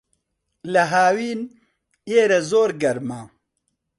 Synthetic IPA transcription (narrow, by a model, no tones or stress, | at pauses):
lɐɦaːwiːn | eːɾɛzoːɾɡɐɾmaː